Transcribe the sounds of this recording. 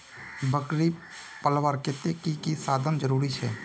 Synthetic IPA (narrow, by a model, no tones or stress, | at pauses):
bəkɾi | pəlʋaːɾkɪt̪ekikisaːd̪ʱənd͡ʒəɾuːɾit͡ʃʰɛ̰ː